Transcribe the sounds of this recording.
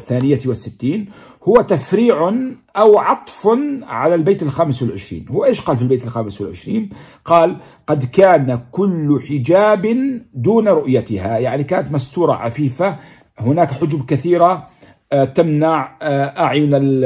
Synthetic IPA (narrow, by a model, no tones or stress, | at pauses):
θːaːnɪjawɪsːɪt̪ːiːn | hʊwːat̪afɾiːʕʊnʔawʕɑt̪ˤfnʕalalbeːt̪ɪlxaːmɪswɪlʕɪʃɾḭːnhwʔeːʃqɑːlfilbeːt̪ɪlxaːmɪswɪlʕɪ̰ʃɾiːn | qɑːl | qɑd̪kaːnakʊlːħɪd͡ʒaːbd̪uːnaɾˤʊʔjat̪ɪhajaʕnikaːnat̪mast̪uːɾˤɑ̰ʕa̰fiːfa | hʊnaːkħʊd͡ʒbkaθiːɾa | t̪amnaʕʔaʕjʊna